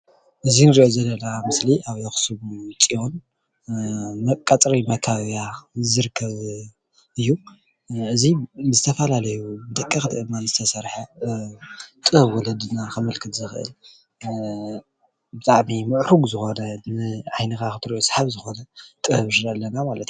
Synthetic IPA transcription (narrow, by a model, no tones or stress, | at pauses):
ʔɨzinɨɾiʔozɐlːɐnamɨsliʔaβjoxsɨβut͡sʼijon | mɐkʼat͡sʼɾimɐkʰaβjazɨɾɨkʰːɐβ | ɨjːu | ʔɨziɨzɨt̪ʰɐfɐlalɐjubɨd̪ɐkʼːixɨd̪ɨʔɨmːanɨzɨt̪ʰɐsɐɾħa | t̪ʼɨhɐβwɔlɐd̪ɨnakɐmɨlkʰɨt̪zɨxɨʔɨ̰l | bɨt̪ʼaʕmimɨʕɾuɡzɨxo̞nɐnɨʕajnɨkakɨt̪ʰɨɾiʔosħaβzɨxo̞nɐt̪ʼɨhɨβʃɨɾɐlːɐnamalɐt̪ju